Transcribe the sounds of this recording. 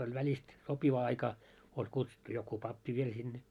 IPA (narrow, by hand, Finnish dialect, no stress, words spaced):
olʲ ʋælʲist sopiʋɑ ɑikɑ olʲ kutsutːu joku pɑpːi ʋiel sinːe